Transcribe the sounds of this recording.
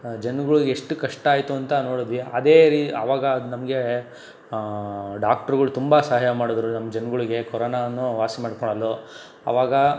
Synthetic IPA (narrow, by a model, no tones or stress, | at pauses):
d͡ʒɐnɡɐɭuɡeeʂʈukɐʂʈaːjt̪uɐnt̪ɐnoːɽud̪ʋiɐd̪e̞ːɾiːt̪a̰ːʋaːɡɐd̪unɐmɐɡe̞ | ɖaːk̚ʈɐɾɡɐɭut̪umbɐsɐaɦɐjɐmaːɽod̪ɾunɐmːɐd͡ʒɐnɡɐɭiɡe̞kɔɾoːnaɐnːuʋaːsimaːɖkɔɳɐlːo | ɐ̰ʋaːɡɐ